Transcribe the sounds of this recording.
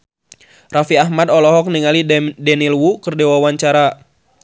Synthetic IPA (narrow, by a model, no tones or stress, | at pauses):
rafiaɦmadɔlɔɦɔk̚niŋalidɛnilwukərdewawaɲt͡ʃaɾa